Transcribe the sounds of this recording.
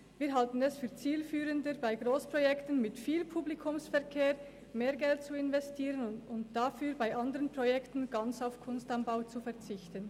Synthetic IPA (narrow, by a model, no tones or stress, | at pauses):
viːɐɦaltn̩ɛsfyːɐt͡siːlfyːʁəndəbaɪɡʁoːspʁ̥ojɛktənmɪtfiːlpʰuːblikʰʊmsfɛɐkʰeːʁ | meːɐɡɛlt̚t͡suɪnvɛstʰiːʁənʊntd̥afyːɾbaɪʔandəʁənpʁ̥ojɛktn̩ɡ̥ant͡saʊfkʰʊnstanbaʊt͡sufɛɐt͡sɪçtən